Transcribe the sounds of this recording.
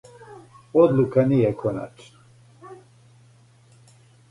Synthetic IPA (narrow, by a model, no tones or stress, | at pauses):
ɔd̪lukʰanijɛkʰɔna̰t͡ʃʰna